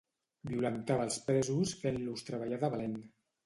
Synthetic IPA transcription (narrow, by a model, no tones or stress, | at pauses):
biulənt̪aβəlˠspɾɛzusfenlust̪ɾəβaʎaðaβalen